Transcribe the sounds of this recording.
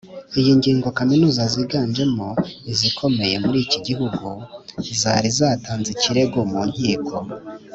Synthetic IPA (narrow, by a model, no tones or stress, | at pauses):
ijiŋɟiːŋɡo̞kaminuːzaziɡaːnd͡ʒe̞moizikʰo̞me̞je̞muɾiːciɟiɦuɡuizaɾizaːtaːnziciɾe̞ɡomuːɲhiːkʰo̞